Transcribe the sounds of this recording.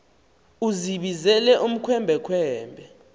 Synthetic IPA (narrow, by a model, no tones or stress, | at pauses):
uziɓizɛlɛʔum̩kʰwɛmbʱɛkʰwɛːmbʱɛ